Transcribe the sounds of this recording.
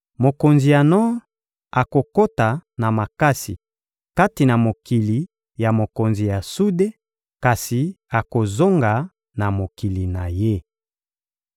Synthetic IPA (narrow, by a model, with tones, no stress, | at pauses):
mo˨ko˨nzi˨ja˨nɔ˦ | a˨ko˨ko˦ta˨na˨ma˨ka˦si˨ | ka˦ti˨na˨mo˨ki˨li˨ | ja˨mo˨ko˨nzi˨ja˨su˦de˦ | ka˨si˨ | a˨ko˨zo˦ŋɡa˨ | na˨mo˨ki˨li˨na˨je˦